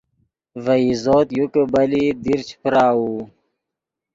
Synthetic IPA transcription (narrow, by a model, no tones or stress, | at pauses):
vəizoːt̪jukəbɐlid̪iɾt͡ɕʰpɾaːu